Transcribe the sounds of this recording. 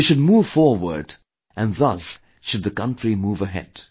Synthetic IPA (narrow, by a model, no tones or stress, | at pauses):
ʃɨd̚muːv̥fɔɹwə̰˞d | ʔɨ̃nðʌs | ʃʊd̪̚ðɨkʌ̃ntɹimuːvəɦɛ̰d̥